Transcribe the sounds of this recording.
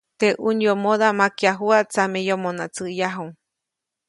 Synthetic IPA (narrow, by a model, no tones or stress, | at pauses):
t̪eʔuɲomõðamãkiaɦuat͡samẽjomõnãt͡sɨjaɦow̃